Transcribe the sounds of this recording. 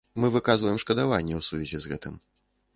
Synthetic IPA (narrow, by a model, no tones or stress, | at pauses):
mɨvɨkazvɐjɛmʂkɐd̪avanʲːɛwsuvʲɛzʲizɣɛ̰t̪ɨm